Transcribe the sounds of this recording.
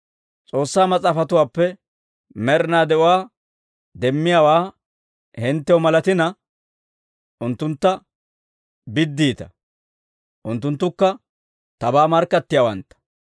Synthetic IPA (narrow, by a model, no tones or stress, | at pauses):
t͡sʼo̞ːsːaːmɐt͡sʼaːfɐt̪ʊwaːpːɛ | mɛɾɪnaːd̪ɛʔʊwaː | d̪ɛmːɪjaːwaː | hɛnt̪ːɛwɔmɐlɐt̪ɪnɐ | ʔʊnt̪ːʊnt̪ːɐ | bɪd̪ːiːt̪ɐ | ʔʊnt̪ːʊnt̪ːʊkːɐ | t̪ɐbaːmɐɾkːɐt̪ːɪjawɐ̰nt̪ːɐ̥